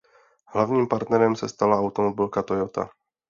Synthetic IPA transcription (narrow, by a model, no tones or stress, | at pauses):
ɦlavɲiːmpaɾt̪nɛɾɛmsɛst̪alaawt̪omobɪlkat̪ojot̪a̰